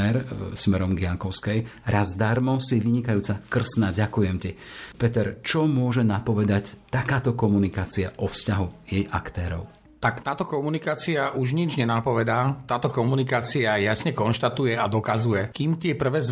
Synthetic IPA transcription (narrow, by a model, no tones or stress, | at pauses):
ɛɾsmɛɾɔmɡjaŋkɔʊskɛjɾazd̪aɾmɔsiʋiɲikajuːt͡sakr̩snaːɟakujɛmcɛpɛt̪ɛɾt͡ʃɔmʊɔʒɛnapɔʋɛd̪act̪akaːt̪ɔkɔmunikaːt͡siaʔɔfscaɦujɛja̰kt̪ɛːɾɔ̰ʊ | t̪akt̪aːt̪ɔkɔmunikaːt͡siaʔuʒɲid͡ʒɲɛnapɔʋɛd̪aːt̪aːt̪ɔkɔmunikaːt͡siajasɲɛkɔnʃt̪at̪ujɛad̪ɔkazujɛkiːmt̪ɪɛpr̩ʋɛːz